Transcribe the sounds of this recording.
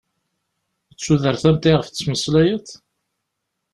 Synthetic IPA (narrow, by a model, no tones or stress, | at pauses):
ət͡sːuðəɾθæmt̪iʁəft͡st͡sːməslæjəθ